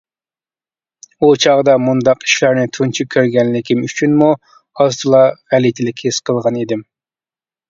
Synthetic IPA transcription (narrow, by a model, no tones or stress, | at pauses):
ut͡ʃʰɑʁd̪ɑmund̪ɑqi̥ʃlɑɾnɪt̪ʰunt͡ʃʰikʲʰøɾɡʲɛnlɪkʲimyt͡ʃʰynmu | ɑzt̪ʰɨlˠɑʁælit̪ʰɪlɪkʲʰhisqʰəlˠʁɑnid̪ɪm